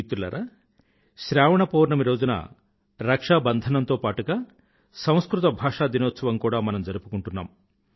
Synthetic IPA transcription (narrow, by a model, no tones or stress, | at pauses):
it̪ːulɐ̰ɾaː | ʃɾaːʋɐɳɐpoːɾɳɐmiɾo̞ːd͡ʒunɐ̰ | ɾɐkʂaːbɐnd̪ʱɐnɐnt̪oːpaːʈuɡaː | sɐ̃w̃skɾut̪ɐbʱaːʂaːd̪inoːt̪sɐʋɐmkuːɽaːmɐnɐmd͡ʒɐɾupukuɳʈunːa̰ːm